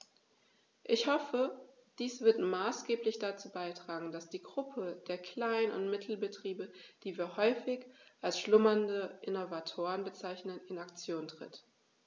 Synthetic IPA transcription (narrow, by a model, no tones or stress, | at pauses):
ʔɪçhɔfə | d̥iːsv̥ɪɐtmaːsɡ̥eːplɪçd̥at͡suːbaɪtʁ̥aːɡŋ̩d̥asd̥iːɡʁʊpʰəd̥eːɐkʰl̥aɪnənʊ̰ntmɪtʰl̩bətʁ̥iːbəd̥iːviːɐhɔʏfɪçʔalsʃlʊmɐndəʔɪnovatʰoːʁənbət͡saɪçnənɪnakt͡sjoːntʁ̥ɪ̰t